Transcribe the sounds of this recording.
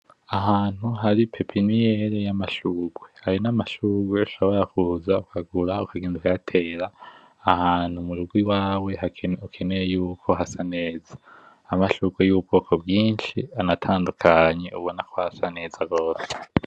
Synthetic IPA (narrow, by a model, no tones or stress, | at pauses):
aɦaːn̥huɦaɾipʰe̞pʰinijeɾejamaʃuːɡwe̞haɾinamaʃuːɡwe̞uʃoβo̞ɾakuzaukʰaɡuɾaukʰaɡeːnzukaatʰe̞ːɾaː | haːn̥humuɾuɡwiwaːwe̞haukʰene̞jejuːkʰo̞ɦasane̞ːz̥ḁː | maʃuːɡwejuβub̚ɡo̞ːkʰo̞bɡiːnʃianatʰaːndukʰaɲe̞uβo̞nakʰohasane̞ːzaɡo̞ːse